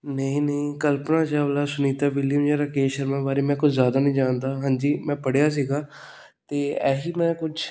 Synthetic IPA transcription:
nəĩːnəĩːkəlpnãːt͡ʃaːʋəlaːsʊniːt̪aːʋɪljəmjaːɾakeːʃəɾmãːbaːɾeːmɛ̃ːkʊt͡ʃʰzjaːd̪aːnəĩːd͡ʒaːnd̪aːɦãːnd͡ʒiːmɛ̃ːpəɽjaːs̬iːɡaː | t̪eːɛːɦiːmɛ̃ːkʊt͡ʃʰ

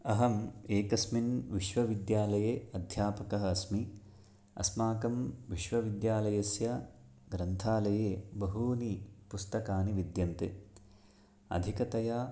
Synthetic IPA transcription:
ɐɦɐmeːkɐsminʋiʃʋɐʋid̪jaːlɐjeːɐd̪ʱjaːpɐkɐɦɐɐsmi | ɐ̰smaːkɐmʋiʃʋɐʋid̪jaːlɐjɐsjɐ | ɡɾɐnt̪ʰaːlɐjeːbɐɦuːnipust̪ɐkaːniʋid̪jɐnt̪ɨ | ɐ̰d̪ʱikɐt̪ɐja

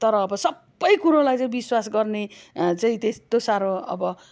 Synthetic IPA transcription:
t̪ʌɾʌːbʌsʌbːʌjkuɾolajt͡saĩbiswasɡʌrnet͡saĩt̪est̪osaɾoʌ̰bʌ

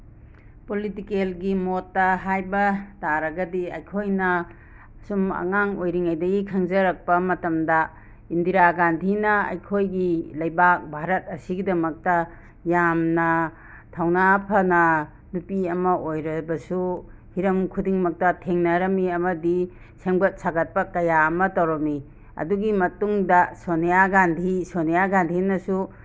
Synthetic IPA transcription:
politikelɡimotːɐɦajbɐtaɾɐɡɐdiɐ̰jkʰojnɐ | sumɐ̰ŋaŋojɾiŋajdɐɡikʰɐŋzɐɾɐk̚pɐmɐtɐmdɐ | indiɾaɡantʰinɐɐ̰jkʰojɡilɐjbak̚bʱaɾɐt̚ɐsiɡidɐmɐk̚tɐ | jamnɐ | tʰawnapʰɐnɐ | nupiɐmɐʔojɾɐbɐsu | hiɾɐmkʰudiŋmɐk̚tɐtʰeŋnɐɾɐmiɐmɐdi | seŋbɐt̚saɡɐt̚pɐkɐjaɐmɐtɐwɾɐmi | ɐ̰duɡimɐtuŋdɐsonejaɡandʱisonijaɡandʱinɐsu

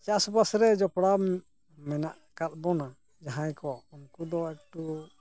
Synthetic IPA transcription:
t͡ʃasɔbasɾɛd͡ʒɔpɽa | mɛnaʔ | kat̪̚bɔna | d͡ʒaɦãjkɔunkud̪ɔɛk̚ʈu

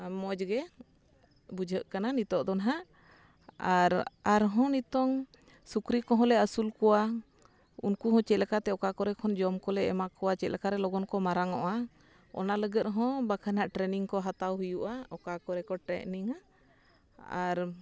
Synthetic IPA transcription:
mɔd͡ʒɡɛ | bud͡ʒʱəʔkananit̪ɔʔd̪ɔnɦaʔ | aɾaɾɦɔ̃nit̪ɔŋ | sukɾikɔɦɔ̃lɛəsulkɔwa | unkuɦɔ̃t͡ʃɛt̪lɛkat̪ɛɔkakɔɾɛkʰɔnd͡ʒɔmkɔlɛɛ̰makɔwat͡ʃɛt̪̚lɛkaɾɛlɔɡɔnkɔmaɾaŋɔʔa | ɔ̰naləɡət̪̚ɦɔ̃bakʰanaʔʈɾɛniŋkɔɦat̪awɦujuʔaɔkakɔɾɛkɔʈɾɛ̰ʔniŋa | a̰ɾ

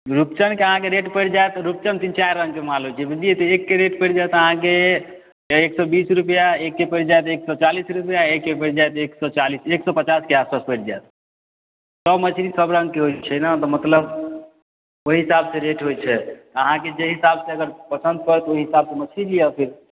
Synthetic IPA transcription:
ɾupt͡ʃənkeəɦãkeɾeʈpəʈd͡ʒajt̪ɾup̚t͡ʃənt̪int͡ʃajɾːə̃ŋɡkemalɦojt͡ʃʰɛbid͡ʒ̪liet̪ɔekːeɾeʈpəʈd͡ʒajt̪əɦãke | eksɔbisɾupəjaekːepəɽd͡ʒajt̪eksɔt͡ʃalisɾupjaekːepəɽd͡ʒajt̪eksɔt͡ʃaliseksɔpət͡ʃaskeaspaspəjʈd͡ʒajt̪ | səbmət͡ʃʰinlisəbɾə̃ŋɡ̚keɦojt͡ʃʰɛnat̪ɔmət̪ləb | oiɦisabseɾeʈɦojt͡ʃʰɛt̪ɔəɦãked͡ʒeɦisabseəɡəɾpəsənd̪̚kəɾɛt̪ɔoɦiɦisabsemət͡ʃʰilijapʰiɾ

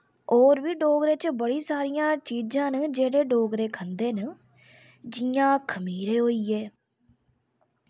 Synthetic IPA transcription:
oːɾʋiːɖoːɡɾeːt͡ʃbəɽiːsaːɾijãːt͡ʃiːd͡ʒãːnd͡ʒeːɽeːɖoːɡɾeːkʰənd̪eːnə | d͡ʒɪjãːkʰəmiːɾeːɦoːiːɛː

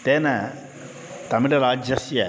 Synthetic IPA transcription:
t̪eːnɐ | t̪ɐmiɽeɾaːd͡ʒjɐsjɐ

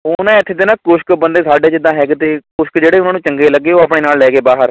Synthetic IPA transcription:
ʊnãːɪt̪ʰːeːt̪eːnãːkʊʃkbənd̪eːsaːɖeːd͡ʒɪd̪ãːɦɛːɡt̪eːkʊʃkd͡ʒeːɽeːʊnãːnũːt͡ʃəŋɡeːləɡːeːoːapɽeːnaːllɛːɡeːbaːɦəɾ

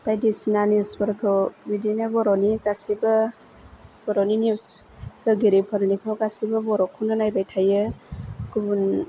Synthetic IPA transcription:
b̥ajdisinaniwsbəɾkʰɯbidinɯbɔɾɔniɡasibɯ | b̥ɔɾɔninus | kʰɯɡiɾipʰəɾnikʰɯwɡasibɯbɔɾɔkʰunɯnajbajtʰajɯkubun

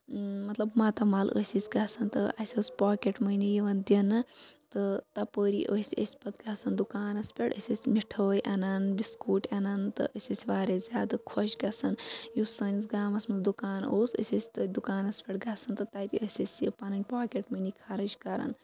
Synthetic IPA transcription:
mɐt̪lɐbmat̪ɐmaːlʔə̰sʲisʲɡɐsɐnt̪ɨʔɐsʲəsʲpaːkeʈmɐjnijiʋɐnd̪jɐnɨt̪ɨt̪ɐpəːɾḭʔəsʲə̰sʲpɐt̪ɡasɐnd̪ukaːnɐspʲeɽə̰sʲɐsʲmiʈʰəːjʔɐnɐnbiskuːʈɐnɐnt̪ɨ̰ʔəsʲɐsʲʋaːɾezʲaːd̪ɨkʰoʃʲɡɐsɐnjusɐnʲzɡaːmɐsmɐd̪ukaːnoːsɐ̰sʲɐsʲt̪ɨd̪ukaːnɐspʲeʈɡɐsɐnt̪ɨt̪aːt̪iəsʲɐsʲjḭpanɐnʲpaːkeʈmɐnikʰaɾɐt͡ʃkɐɾɐ̰n

